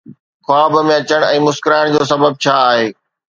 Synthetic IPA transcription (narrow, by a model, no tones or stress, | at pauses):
xaːbmẽɐt͡ɕəɽ̃ɛ̃ːmʊskɪɾaːɪɽ̃d͡ʑoːsɐbəb̚t͡ɕʰaːɦeː